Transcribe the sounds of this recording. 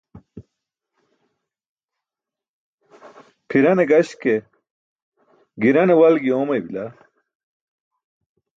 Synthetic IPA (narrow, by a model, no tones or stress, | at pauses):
pʰiɾɐneɡɐɕke | ɡiɾɐnewɐlɡiomɐbila